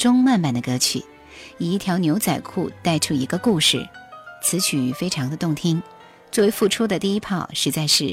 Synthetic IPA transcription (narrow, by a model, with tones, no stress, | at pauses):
ʈ͡ʂʊ˥ŋma˥˩nma˥˩nd̪ə˦kɤ˧˥t͡ɕʰy̰˨˩ | i˨˩i˥˩t̪ʰjɑ˧˥ʊnjo˧˥ʊt͡sa˨˩ɪkʰṵ˥˧t̪a˥˩ɪʈ͡ʂʰu˥i˧˥ɡə˧ku˥˧ʂɻ̩˥˩t͡sʰɹ̩˧˥t͡ɕʰy˨˩˥fe˥ɪʈ͡ʂʰɑ˧˥ŋd̪ə˧t̪ʊ˥˩ŋt̪ʰi˥ŋ | t͡swɔ˥˩we˧˥ɪfu˥˩ʈ͡ʂʰu˥d̪ə˨t̪i˥˩i˥pʰɑ˥˩ʊʂɻ̩˧˥t͡sa˥˧ɪʂɻ̩˥˩